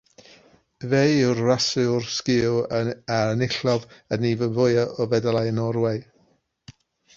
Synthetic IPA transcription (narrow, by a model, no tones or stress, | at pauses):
vejʊrrasɨʊrskɪ | aənɪɬɔvənivəvʊɨaʔɔvɛdalˠajənɔɾweɨ